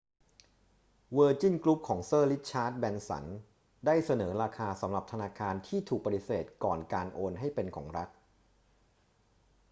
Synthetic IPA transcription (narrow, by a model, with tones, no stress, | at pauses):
wɤː˧t͡ɕi˥˩nklu˦˥p̚kʰɔː˩˦ŋsɤː˥˩li˦˥t̪̚t͡ɕʰaː˦˥t̪̚bɛ˧nsa̰˩˦n | daː˥˩jsa˧nɤː˩˦ɾaː˧kʰaː˧sa˩˦mɾa˨˩p̚t̪ʰa˧naː˧kʰaː˧nt̪ʰiː˥˩t̪ʰuː˨˩k̚pa˧t̪i˨˩seː˨˩t̪̚kɔː˨˩nkaː˧nʔoː˧nɦa˥˩jpe˧nkʰɔ̰ː˩˦ŋɾa˦˥k̚